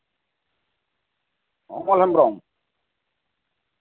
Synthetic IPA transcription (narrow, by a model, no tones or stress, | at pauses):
hɔ̰mɔlhɛmbɾɔŋ